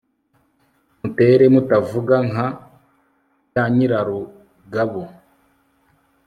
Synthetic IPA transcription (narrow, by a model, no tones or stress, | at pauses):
mute̞ːɾe̞mutavuɡaŋa | jaɲiɾaɾo | ɡaβo